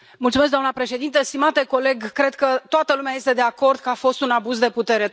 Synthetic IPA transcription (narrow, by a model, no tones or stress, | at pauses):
multsumes̬d̪oamnəpɾe̞ʃe̞d̪int̪əst̪imat̪e̞ko̞le̞ɡkɾe̞d̪kət̪oat̪əlumeaje̞st̪e̞d̪e̞ako̞rd̪kəafo̞st̪unabuzd̪e̞put̪e̞ɾe̞